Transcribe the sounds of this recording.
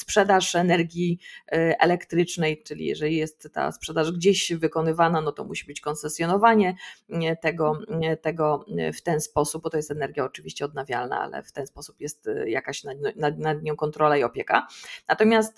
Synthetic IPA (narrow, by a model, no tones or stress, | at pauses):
spʂɛd̪aʂɛnɛɾɡʲji | ɛ̰lɛkt̪ɾɘt͡ʂnɛjt͡ʂɘlʲḭjɛ̰ʐɛlʲijɛst̪ːa̰spʂɛd̪aʐɡd͡ʑeɕvɘkɔnɘvananɔt̪ɔ̰muɕibɘt͡ɕkɔnsɛsʲjɔnɔvaɲɛt̪ɛɡɔt̪ɛɡɔft̪ɛnspɔsup̚bɔt̪ɔjɛst̪ɛnɛɾɡʲjaɔt͡ʂɘvʲiɕt͡ɕɛɔd̪navʲja̰lna̰a̰lɛ̰ft̪ɛnspɔsu̥pjɛst̪jakaɕnanad̪̚nad̪̚ɲɔ̃w̃kɔnt̪ɾɔlaiɔpʲjɛka̰nat̪ɔmʲjast̪